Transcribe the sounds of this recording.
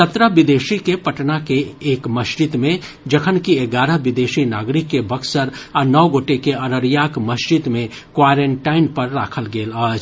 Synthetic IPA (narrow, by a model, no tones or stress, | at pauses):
sət̪ɾəʋɪd̪eːʃikepɐʈnakeːkməʃd͡ʒɪt̪mẽ | d͡ʒɐkʰənkieɡaːɾəʋɪd̪eːʃinaːɡɾɪkːebʱɐɡsəɾɐnɔːɡoːʈekeɐɾəɾjaːkməʃd͡ʒɪt̪mẽ | kwaːɾẽɳʈaːɪnpɐɾːa̰ːkʰəlɡeːlaːd͡ʒ